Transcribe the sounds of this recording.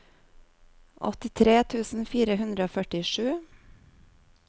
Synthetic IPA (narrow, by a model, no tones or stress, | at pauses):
ʔɔ̰t̪ɪt̪ʰɾeːt̪ʰʉːsn̩fiːɾəhʉnd̪ɾəoːfœʈɪʃʉː